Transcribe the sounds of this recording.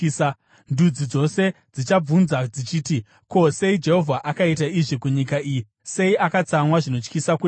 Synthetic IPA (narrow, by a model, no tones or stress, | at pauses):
ndud͡zid͡zo̞se̞ | d͡zit͡ʃab͡vunzad͡zit͡ʃiːti | ko̞se̞id͡ʒe̞ɦo̞vʱaʔakaitaiʐikuɲikaiːji | se̞iʔakat͡samwaʐino̞t͡ʃkisaku